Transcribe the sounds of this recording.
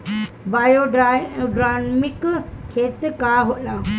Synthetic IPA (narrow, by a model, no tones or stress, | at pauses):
bajoɖɖɾanmikkʰet̪kaɦot̪la